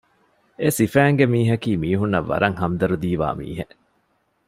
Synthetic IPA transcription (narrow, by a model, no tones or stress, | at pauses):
esifæːŋɡemiːɦɐkiːmiːɦunːɐʋːɐ̰ɾɐŋhɐmd̪ɐɾud̪iːʋa̰ːmḭːɦe